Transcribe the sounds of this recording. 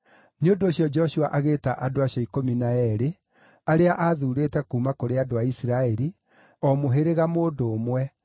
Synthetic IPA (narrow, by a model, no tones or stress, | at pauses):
neondoːɕjɔd͡ʒɔʃuaʔaɣeːtaʔadoaɕɔikominaɛɾe | aɾeaʔaðuɾeːtɛkuːmakoɾeadoaisiɾaɛɾi | ɔmoɦeɾeɣamoːdoːmwɛ